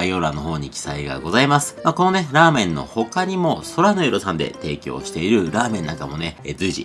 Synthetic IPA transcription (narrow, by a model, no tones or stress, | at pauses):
ajo̞ɾano̞ɦo̞ːɲ̟ikʲi̥saiɡa̰ɡo̞zaimasɨ̥mako̞no̞neɾaːmẽ̞nːo̞̰ho̞kaɲ̟imo̞so̞ɾanoiɾosãnd̪e̞̰t̪e̞ːkʲo̰ːɕi̥t̪e̞iɾɯ̟ɾaːmẽ̞nːã̰ŋkamo̞ned͡zɨiʑḭ